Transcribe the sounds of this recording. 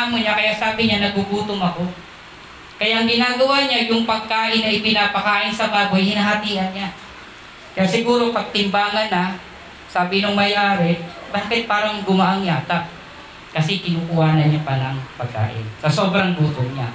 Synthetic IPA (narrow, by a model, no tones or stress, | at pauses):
amoɲakɐjaʔsaːbɪɲanɐɡbubuːt̪oŋɐko̞ | kɐjaʔɐŋɡɪnaːɡɐwaɲajʊŋpɐɡ̚kaːʔɪnːɐʔɪpɪnaːpɐkaːʔɪnsɐbaːbojhɪnaɦɐt̪iːhɐnɲa | kɐjaʔsɪɡuːɾo̞pɐɡ̚t̪ɪmbaːŋɐnːɐ | saːbɪnʊŋmɐjaːɾɛ | baːkɪt̪̚paːɾɐŋɡʊmaʔaŋjaːt̪ap̚ | kɐsɛkɪnukʊhaːnɐɲɲapalaŋpɐɡ̚ka̰ːʔɪ̰nsɐsobɾɐŋbuːt̪ʊŋɲa̰